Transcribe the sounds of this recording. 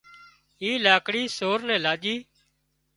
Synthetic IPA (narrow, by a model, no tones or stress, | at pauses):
iːlaːkɽiːsoːɾnɛ̃ːlaːʄiː